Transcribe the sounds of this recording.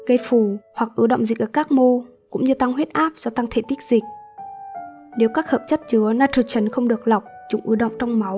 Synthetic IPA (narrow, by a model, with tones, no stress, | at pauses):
kə˧jfu˧˩hwa˨˩k̚ʔɨ˨˦ɗə̰˧˨wŋ͡mzi˨˩k̚ʔəː˧˩kaː˦˥k̚mo˧ | kʊ̰˧˥ŋ͡mɲɨ˧t̪a˧ŋɦwe˦˥t̚ʔaː˦˥p̚zɔ˧t̪a˧ŋt̪ʰḛ˧˩t̪i˦˥k̚zï˨˩k̟̚ | ne˨˦wkaː˦˥k̚həː˨˩p̚t͡ɕə˦˥t̚t͡ɕɨ˨˦ənaː˧t͡ɕʰu˨˩t͡ɕə˨˦nxə˧wŋ͡mɗɨ˨˩ək̚la˨˩wk͡p̚t͡ɕʊ̰˨˦ŋ͡mʔɨ˨˦ɗə̰˧˨wŋ͡mt͡ɕɔ˧wŋ͡mma˨˦w